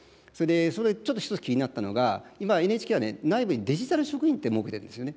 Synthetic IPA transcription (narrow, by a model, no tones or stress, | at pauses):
so̞ɾe̞d̪e̞soɾet͡ɕo̞t̪ːoçi̥ot͡sɨ̥kʲiɲ̟inat̪ːano̞̰ɡaimae̞nɯeːt͡ɕi̥kʲeanḛnaibɯ̟ɲ̟id̪e̞ʑit̪aɾɯ̟ɕo̞kɯ̟çĩnt̪ːemo̞ːke̞t̪eɾɯ̟nd̪esɨijo̞ne